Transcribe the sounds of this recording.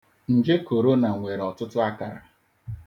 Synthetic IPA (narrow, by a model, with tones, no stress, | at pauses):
n̩˨d͡ʒe˦ko˨ɾo˦na˨ŋʷe˨ɾɔ˨tʊ˦tʊ˦a˦ka˨ɾa̰˨